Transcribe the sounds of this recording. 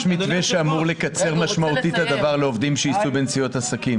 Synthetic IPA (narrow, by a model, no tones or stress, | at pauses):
ʃmiveʃeamuʁle̞kat͡se̞ʁmaʃmaut̪it̪ad̪avaʁle̞o̞vd̪imʃeisubent͡sijo̞t̪asakim